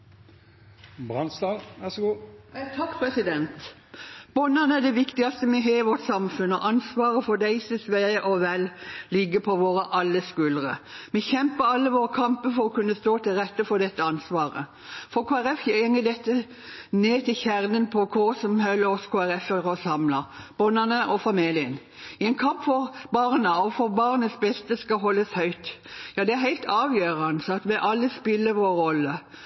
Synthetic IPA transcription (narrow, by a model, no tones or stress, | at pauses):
bʁɑnsd̪ɑːʋæsɔɡuːt̪ʰɑkːpʰɾɛsɪd̪ɛnt̪ | b̥ɔnːɑnæɖ̪ɛʋɪkt̪ɪɑst̪əmɛɦeːɪʋɔʈ̪sɑmfʉnːɔ̰ʔɑnsʋɑːɾəfɔd̪æɪsɪsʋeːʔɔʋællɪɡːəpʰɔʋoːɾəʔɑlːəskʉləʁəmɛçɛmpəɾɑlːəʋoːʁəkʰɑmpəfɔɾɔkʉnːəst̪oːt̪ɪlɾɛt̪ːəfɔd̪ɛt̪ːəɑnsʋɑːɾə̰ | fɔɾkʰoːæɾɛfjɛŋːəd̪ɛt̪ːə | neːt̪ʰɪlçæʁnənpʰɔkʰʊsɔmhœʏlːəɾɔskʰoːæɾɛfəɾɔsɑmləb̥ɔnənəʔɔfɑmiːlɪən | ɪɛɪnkʰɑmpfɔɾbɑʁnəɔfɔɾbɑʁnəsbɛst̪əskɑɦɔlːəshœʏt̪jɑːd̪ɛæɦæɪlt̪ʰɑːʋjøːɾɑnəsɑt̪ʋɛʔɑlːəspɪlːəɾʋoːəɾɔlːə